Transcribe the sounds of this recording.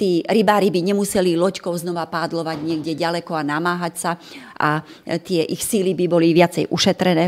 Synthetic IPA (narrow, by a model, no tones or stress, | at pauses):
t̪iːɾibaːɾibiɲɛmusɛlilɔckɔʊznɔʋapaːd̪lɔʋaɟɲɪɛɡɟɛɟalɛkɔanamaːɦacsaʔa̰ | t̪ɪɛʔixsiːlibibɔliʋɪat͡sɛjʔuʃɛt̪ɾɛnɛː